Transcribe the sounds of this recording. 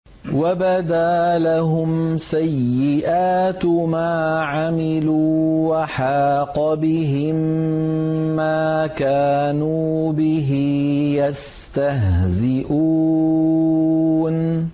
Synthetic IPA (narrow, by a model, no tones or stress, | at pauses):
wabad̪aːlaɦʊmsajːɪʔaːt̪maːʕamɪluːwaħaːqɑbɪɦɪmː | aːkaːnuːbɪɦijas | t̪aɦzɪʔuː | n